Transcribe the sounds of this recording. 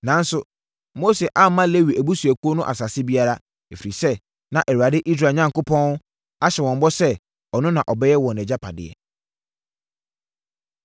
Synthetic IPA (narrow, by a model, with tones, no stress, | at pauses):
nã˨n̩˦sʊ˨ | mo˦se˨ʔa˦mã˦le˦wi˨ʔæ˨bu˦su˨æ˨ku˦o˦nʊ̃˦ʔa̰˨sa˨sɪ˦bi˦a˦ɾa˦ | e˨fi˨ɾi˨sɛ˦ | nã˨ʔɛ˨wu˨a˨dɪ˦ʔi˦s̬ɾaː˨ɲã˦ŋkʊ˦pʰɔ̃˦n˦ | a˦ɕɛ˨wɔ̃˨m˦bɔ˦sɛ˦ | ɔ˨nʊ̃˦nã˨ʔɔ˨bɛ˦jɛ˦wɔ̃˨nɛ˨d͡ʑa˦pʰa̰˨dɪ̰˨ɛ̰˨